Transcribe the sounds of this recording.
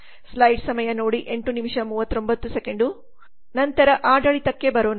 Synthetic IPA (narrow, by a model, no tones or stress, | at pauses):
slɐjɖsɐmɐjɐnoːɽiʔeɳʈunimiʂɐmuːʋɐt̪ːɾo̞mbɐt̪ːusekeɳɖu | nɐnt̪ɐɾɐʔaːɖɐɭit̪ɐkːebɐɾoːn